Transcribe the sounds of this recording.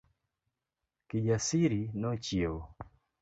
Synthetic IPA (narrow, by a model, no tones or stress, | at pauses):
kid͡ʒasiɾinɔt͡ʃiwɔ